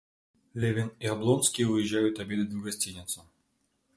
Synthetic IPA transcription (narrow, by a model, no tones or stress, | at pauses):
lʲevʲɪniɐblˠonskʲɪjvɨjɪʒːæjʊt̪ɐbʲe̞d̪ɨd̪ɡɐsʲtʲinʲɪt̪sʊ